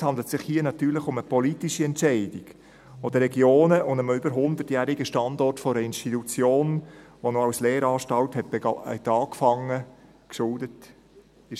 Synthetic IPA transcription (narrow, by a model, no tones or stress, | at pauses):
shɑnd̪lətsɪχhiənɑt̪yːləχʊməpɔlitiʃiɛntt͡ʃɛɪdiɡ̥ | od̥̪əɾɛɡjoːnəʊndəməybəɾɦʊnd̪ətjæːɾiɡəʃtɑndɔrtfɔɾəɪnʃtitut͡sjoːnʋonoɑwsleːɾɑːʃtɑlthɛt̚b̥ɛɡɑtɑːkfɑŋːə | kʃʊldət | ɪ